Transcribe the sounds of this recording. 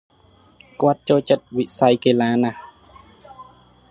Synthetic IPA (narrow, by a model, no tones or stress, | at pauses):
kut̪̚t͡ɕoːt͡ɕet̪̚wiʔsajkelaːna